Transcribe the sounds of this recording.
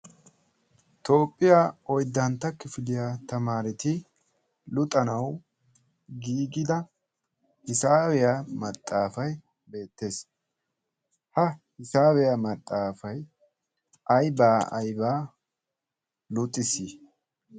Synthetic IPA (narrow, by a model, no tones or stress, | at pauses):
t̪o̞ːpʼːɪjaɔjd̪ːɐnt̪ːɐkːɪfɪlɪjat̪ɐmaːɾɪt̪ɪ | lʊt̪ʼɐnɐw | ɡiːɡɪd̪ɐ | hɪsaːwɛjamɐt̪ʼːaːfɐj | be̞ːt̪ːe̞ːs | hɐhɪsaːwɛjamɐt̪ʼːaːfɐj | ʔɐjbaːɐ̰jbaː | lʊt̪ʼːɪsi